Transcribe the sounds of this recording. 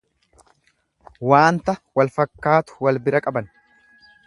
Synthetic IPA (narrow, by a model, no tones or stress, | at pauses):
waːnt̪ɐwɐlfɐkːaːt̪ʊ̥wɐlbɪɾɐkʼɐbɐn